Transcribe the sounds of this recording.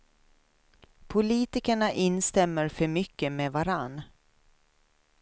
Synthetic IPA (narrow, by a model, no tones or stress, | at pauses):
pʰʊliːt̪ɪkəɳaʔɪnst̪ɛmːəɾfœɾmʏkːəmeːvaɾanː